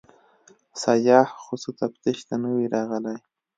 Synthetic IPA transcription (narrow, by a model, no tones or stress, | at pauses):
sajɑːhxʊsut̪apt̪ɪʃt̪anəwiɾɑɣəlaj